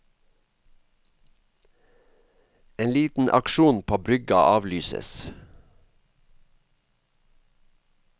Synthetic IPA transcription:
eːnliːt̪n̩ʔɑ̰kʃuːnpʰoːbɾʏɡɑʔɑːʋlyːsə̰s

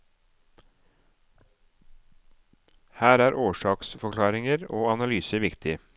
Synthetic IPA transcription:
hæːɾæːɾʔoːʃɑːksfɔkʰlɑːɾɪŋəɾo̰ːɑnɑlyːsəʋɪkt̪ʰɪ

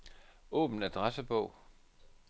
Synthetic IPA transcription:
ɔ̰ːb̥ən̩æd̥ʁasəb̥ɔʊ̰

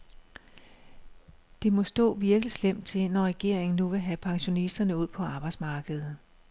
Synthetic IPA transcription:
d̥e̝mɒ̽sd̥ɔ̰̽ːʋiɐɡ̥lislem̰d̥̚t͡sʰe̝nɒʁɛɡ̥e̝ɐ̰e̝ŋn̩ːuʋe̝ɦæpʰɑ̈ŋɕo̝nisd̥ɐnəuð̞̰ˠpʰɒ̽ɑ̈ːb̥ɑ̈ɪd̥smɑ̈ːɡ̥əð̩ˠ

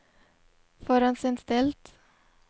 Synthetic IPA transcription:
fɔːɾɑnsɛnst̪ɛlt̪

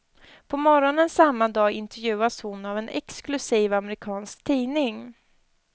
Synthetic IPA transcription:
pʰɔmɔɾɔnənsamːad̪ɑːɪnt̪ɛɾjʉ̟ːashʊnavɛnɛ̰ksklɵsiːvamɛɾɪkʰɑːnskt̪ʰiːnɪŋ

